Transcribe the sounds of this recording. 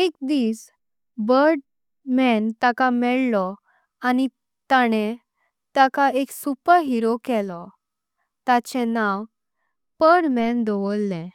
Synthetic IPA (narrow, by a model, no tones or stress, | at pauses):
ekd̪iːs | bəɾɖ | mɛnt̪akamɛɭlɔ | ani | t̪aɽ̃e | t̪akaeksupəɾɦiɾokɛlɔ | t̪at͡ɕɛ̃nãw | pəɽmɛ̃nd̪ɔʋolːɛ̃